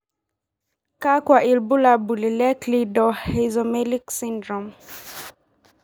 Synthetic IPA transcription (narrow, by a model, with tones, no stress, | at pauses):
ka˦kwa˨ʔi˨lbu˦la˨bu˨li˨lɛ˦klidɔhɛzɔmɛli˦ksindɾɔm